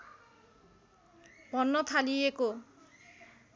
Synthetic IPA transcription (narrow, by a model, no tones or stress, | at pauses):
pɔnːɔt̪ʰalieko